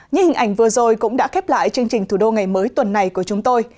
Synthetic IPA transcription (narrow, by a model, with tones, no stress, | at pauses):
ɲɨ̰˧˥hï˨˩ŋ̟ʔa˧˩jŋ̟vɨ˨˩əzo˨˩jkʊ̰˧˥ŋ͡mɗa̰ː˧˥xɛ˦˥p̚la̰ː˧˨jt͡ɕɨ˧əŋt͡ɕï˨˩ŋ̟t̪ʰu˧˩ɗo˧ŋa˨˩jməː˨˦jt̪wə˨˩nːa˨˩jku˧˩ət͡ɕʊ˨˦ŋ͡mt̪o˧j